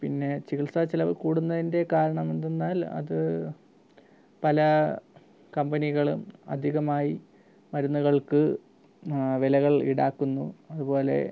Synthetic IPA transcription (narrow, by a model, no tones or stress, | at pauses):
pinːe̞t͡ɕiɣiɭsɐt͡ɕilɐʋkuːɽunːɐðinde̞kaːɾɐɳɐmend̪enːaːlɐ̰ðɨ | pɐlɐ | kɐmbɐniɣɐɭumɐ̰d̪ʱiɣɐmaːji | mɐɾunːuɣɐɭkɨ | ʋelɐɣɐɭḭɽaːkːunːuɐðubo̞ːle̞̰